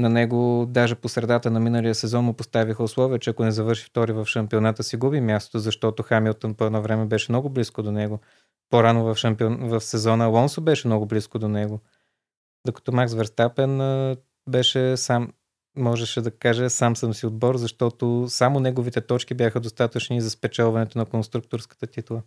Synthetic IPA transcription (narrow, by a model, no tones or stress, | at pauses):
nɐnɛɡod̪aʒɛposɾɛd̪at̪ənɐminəlijəsɛzɔnmʊpost̪avixəʊslˠɔviət͡ʃɛɐkʊnɛzɐvɤɾʃift̪ɔɾivɐfʃɐmpionat̪əsiɡubimʲjast̪o̥t̪ozɐʃt̪ɔt̪ʊxamilˠt̪onpoɛd̪ɔvɾɛmɛbɛʃɛmnɔɡʊbliskod̪onɛɡo | poɾanovɐfʃɐmpiovɐfsɛzɔnəlˠɔnsobɛʃɛmnɔɡʊbliskod̪onɛɡo | d̪okɐ̥t̪ɔmaksvɛɾst̪apɛn | bɛʃɛsamː | ɔʒɛʃɛd̪ɐkaʒɛsamsəmsiʊd̪bɔɾzɐʃt̪ɔt̪osamonɛɡovit̪ɛt̪ɔt͡ʃkibʲjaxəd̪ost̪at̪ət͡ʃnizɐspɛt͡ʃɛlˠvɐnɛt̪ʊnɐkonst̪ɾuk̚t̪ʊɾskə̥t̪ət̪it̪lˠə